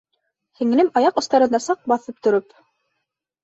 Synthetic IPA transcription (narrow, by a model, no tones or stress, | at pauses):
hɘ̆ŋɘ̆lɘmɑjɑqŏst̪ɑɾɤ̆nd̪ɑsɑq̚bɑθɤp̚t̪ŏɾɵp